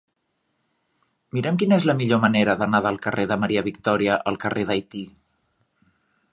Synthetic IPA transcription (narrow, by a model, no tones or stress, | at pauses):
miɾɛmkinəezləmiʎoməneɾəðənaðəlˠkəreðəməɾiəβikt̪ɔɾiəʔəlˠkəreðajt̪i